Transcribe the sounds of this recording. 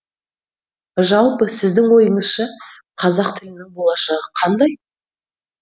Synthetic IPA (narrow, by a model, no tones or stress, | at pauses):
ʒɑlˠpəsɪzd̪ɪŋwo̞jəɴəz̥ʃɑ | qʰɑzɑqt̪ʰɪlɪnɪŋbo̞lˠɑʃɑʁəqʰɑnd̪ɑj